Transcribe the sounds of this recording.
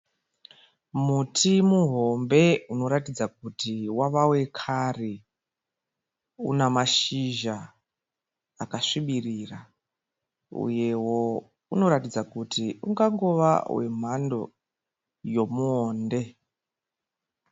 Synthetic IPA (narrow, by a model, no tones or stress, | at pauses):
mutʰimuɦo̞mbe̞uno̞ɾatid͡zak̚utiwaʋawe̞kʰare | ṵnamaʃiʒa | akaʂiɓirira | ṵje̞wo | uno̞ɾatid͡zakutiuŋɡaŋɡoʋa̰wʔe̞̰m̤ando̞̰ | jo̞muoːnde̞